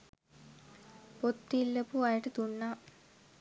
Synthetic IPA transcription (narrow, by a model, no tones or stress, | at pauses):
pot̪ːilːəpuajəʈət̪unːa